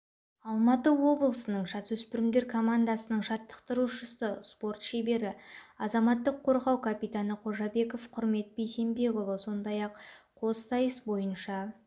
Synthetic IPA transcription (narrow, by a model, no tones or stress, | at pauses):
ɑlˠmɑt̪əwo̞blˠəsənəɴʒɑt̪wɵspɪɾɪmd̪e̞ɾkʰo̞mand̪ɑsənəɴʃɑt̪ːə̥qt̪əɾuʃəsəspo̞rt̪ʃe̞be̞ɾɪɑzɑmɑt̪ːəqʰːo̞ɾʁɑwkʰapijt̪anəqʰo̞ʒɑbe̞ko̞fqʰʊɾme̞t̪̚bejse̞mbe̞ɡolˠəso̞nd̪ɑjɑqqʰo̞ssɑjəsbo̞jənʃɑ